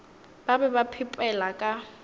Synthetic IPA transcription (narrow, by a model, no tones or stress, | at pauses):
b̥abɛbapʰɪpʼɛlakʼa